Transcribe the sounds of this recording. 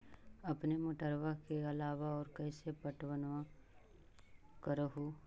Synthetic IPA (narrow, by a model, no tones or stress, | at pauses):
ɐpnemʊʈəɾʋakeɐlaːʋaɔːɾkɐɪsepəʈʋənʋã | kɐɾəɦu